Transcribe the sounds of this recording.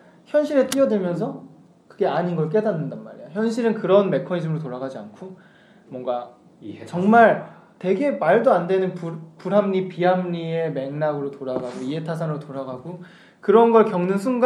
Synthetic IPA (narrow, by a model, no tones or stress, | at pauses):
çjʌnɕʰiɾe̞t͈iʌdwɯmjʌns̬ʰʌ | kɯɡe̞aɲinɡʌɭk̬͈e̞danːɯndanmaɾijoçjʌnɕʰiɾɯnkɯɾʌnme̞kʰʌɲid͡ʑɯmɯɾotoɾaɡad͡ʑiankʰo | mwʌŋɡa | iet͡ɕʌŋmaɭ | te̞ɡe̞maɭdoandwe̞nɯnppuɾɦamɲipiɦamɲieme̞ŋnaɡɯɾotoɾaɡaɡoie̞tʰas̬ʰanɯɾotoɾaɡaɡo | kɯɾʌnɡʌɭkjʌŋnɯnsʰuŋɡ